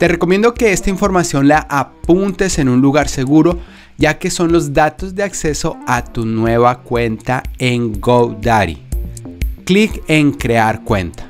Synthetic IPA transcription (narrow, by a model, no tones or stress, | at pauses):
t̪e̞re̞ko̞mje̞nd̪o̞ke̞e̞st̪aiɱfo̞ɾmasjo̞nlaʔapunt̪e̞se̞nunluɣaɾse̞ɣuɾo̞ | ɟ͡ʝake̞so̞nlo̞zd̪at̪o̞zd̪e̞akse̞so̞at̪unwe̞βakwe̞nt̪aeŋɡowd̪aɾḭ | klike̞ŋkɾe̞aɾkwe̞̰nt̪ḁ